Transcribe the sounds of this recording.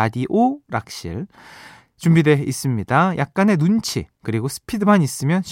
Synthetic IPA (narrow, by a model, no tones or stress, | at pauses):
adiʔoɾak̚ɕ͈ʰḭɭ | t͡ɕumbide̞is͈ɯmɲidajʔak̚k͈ane̞nunt͡ɕʰḭkɯɾiɡosʰɯ̥pʰidɯmaɲis͈ɯmjʌnɕʰ